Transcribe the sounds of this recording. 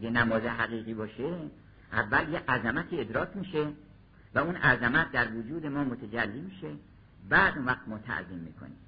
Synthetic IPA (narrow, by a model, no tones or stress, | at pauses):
ɡenæmɒːzeɦæɣiːɣiːbɒːʃe | ʔævːæljeʔæzæmæt̪ʰiːed̪ɾɒːkʰmiːʃe | væunæzæmæt̪̚d̪æɾvod͡ʒuːd̪e̞mɒːmot̪ʰed͡ʒælːiːmiːʃe̞ | bæːd̪unvæχt̪mɒːt̪ʰæ̰ʔziːmːḭːkʰo̰niːm